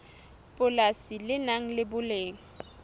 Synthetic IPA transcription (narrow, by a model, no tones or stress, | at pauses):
pʼʊlasilɪnaŋ̩lɪbʊleːŋ̩